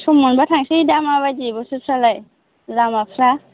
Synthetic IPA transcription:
sɔmɔnbatʰaŋsidamaβajd͡ʒibɔsusalaj | zamapʰɾa

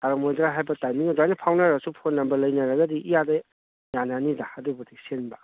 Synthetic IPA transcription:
taɾɐmojdɾaɦajbɐtajmiŋadajnapʰawnaɾasupʰonːɐmbɐlɐjnɐɾɐɡɐdiʔijadɐ | jananidahadubɐdisenbɐ

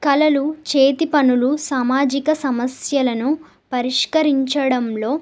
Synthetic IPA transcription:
kɐlɐlut͡ʃeːt̪ipɐnulusaːmaːd͡ʒikɐsɐmɐsjɐlɐnu | pɐɾiʂkɐɾiɲt͡ʃɐɽɐmlo̞ː

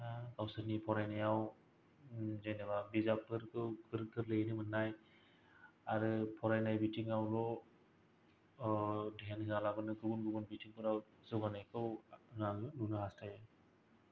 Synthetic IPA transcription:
ɡawsɯnipʰɔɾajnajaw | zajnababizap̚ɯɾkɯwkɯɾkɯɾlɯnɯmɯnnːaj | aɾɯpʰɔɾajnajbitiŋawlɔ | dɦenhɯalabɯnɯɡɯɡunɡɯɡunbitiŋpʰɯɾaw | zɔɡanajkʰɯwnalɯnunɯɦastʰajɯ

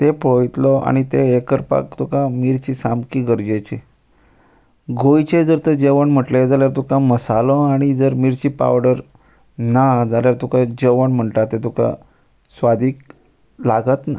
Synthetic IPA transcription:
t̪epojt̪lɔʔa̰ɽ̃it̪eekəɾpa̰kt̪ukãmiɾt͡ɕiːsamkiɡəɾd͡ʑet͡ɕi | ɡʱojt͡ɕed͡zəɾt̪əd͡ʑeʋəɳm̤əʈled͡zaljaɾt̪ukãməsalɔ̃aɽ̃id͡zəɾmiɾt͡ɕiːpa̰ʋɽəɾ | nad͡zaljaɾt̪ukad͡ʑeʋəɳm̤əɳʈat̪et̪uka̰ | sʋad̪ʱiːk | laɡət̪na̰

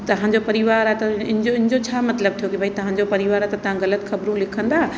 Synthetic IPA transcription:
t̪ɐɦãɲd͡ʑopɐɾɪʋaːɾat̪ɐɪnɪd͡ʑoɪ̃nɪd͡ʑot͡ɕʰaːmɐt̪ləb̚t̪ʰijokibʱaːit̪ɐɦãːɲd͡ʑopɐɾɪʋaːɾat̪ɐt̪ɐɦãɣɐlət̪xɐbɾũlɪkʰə̃nd̪aː

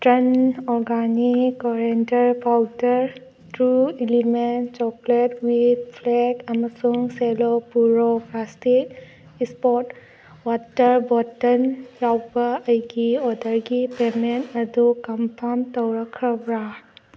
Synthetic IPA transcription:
tɾenɔɾɡanikːɔɾentəɹpʰawtəɾ | tɾuiliment͡ʃɔkletwid̚pʰlekɐmasuŋselɔpuɾɔplastik̚ | ispɔt | watəɾbɔtənjawbaəjɡiɔdəɾɡipementɐdukɔmpʰaɾmtɔwɾakʰabɾa

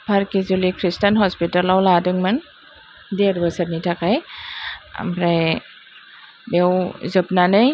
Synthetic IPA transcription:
pʰaɾkizulikʰɾistanhɔspitalawladɯŋman | deɾbasaɾnitʰakaj | a̰mɾaj | bewzɯp̚nanɯj

